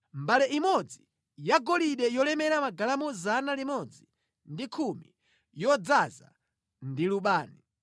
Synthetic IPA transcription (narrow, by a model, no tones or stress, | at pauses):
mbalɛʔimɔd͡zi | jaɡɔliɗɛjɔlɛmɛɾamaɡalamɔzanalimɔd͡zi | ndikʰumḭ | jɔd͡zaza̰ | ndiluɓaːni